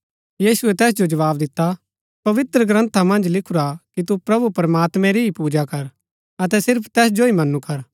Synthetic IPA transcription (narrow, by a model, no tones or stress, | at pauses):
jiːsʊɛt̪ɛːs̬d͡ʒod͡ʒɐʋaːbd̪ɪt̪ːa | pɐʋɪt̪ɾəɡɾə̃nt̪ʰamɐ̃nd͡ʒlɪkʰuɾakit̪̬upɾɐbupɐɾmaːt̪mɛ̃ɾiipuːd͡ʒakɐɾ | ɐt̪ɛsɪɾpʰt̪ɛːsd͡ʒoimɐnũkɐɾ